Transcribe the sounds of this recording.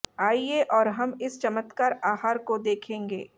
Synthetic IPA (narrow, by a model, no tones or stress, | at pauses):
aːieʔɔːɾɦɐmɪst͡ʃɐmət̪kaːɾaːɦaːɾkod̪eːkʰẽːŋɡḛː